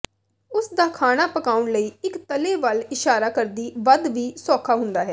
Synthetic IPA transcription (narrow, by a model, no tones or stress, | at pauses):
ʊsd̪aːkʰaːɽ̃aːpəkaːʊɳləiːɪkt̪əleːʋəlɪʃaːɾaːkəɾd̪iːʋəd̪ʋiːsɔːkʰaːɦʊ̃nd̪aːɦɛː